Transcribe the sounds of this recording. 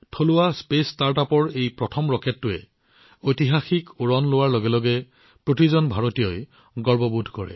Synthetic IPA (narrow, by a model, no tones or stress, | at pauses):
tʰolʊwaspestaɹtapɔɹejpɹɔtʰɔmɹɔkɛtːʊɛ | ojtiɦaxikuɹɔnlʊwaɹloɡɛlɔɡɛ | pɹotizɔnbʱaɹotijɔj | ɡɔɹbɔbudʱkɔɹɛ̰